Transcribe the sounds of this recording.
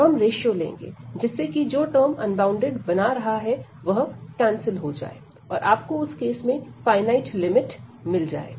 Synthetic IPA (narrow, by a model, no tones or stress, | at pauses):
ɦɐmɾeːʃijolḛ̃ːŋɡḛːd͡ʒɪsːekid͡ʒoːʈəːɾmɐ̰̃nbãːʊ̃ɳɖeɖbɐnaɾɐɦaɦɛʋɐɦʈɛ̃ːnsɪlɦod͡ʒa̰ːḛː | ɔːɾʔaːp̚koʊskeːsmẽfaːɪnaːɪʈlɪmɪʈmɪld͡ʒa̰ːḛː